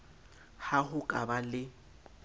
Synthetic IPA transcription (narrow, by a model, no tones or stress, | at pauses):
hahʊkʼabalɪ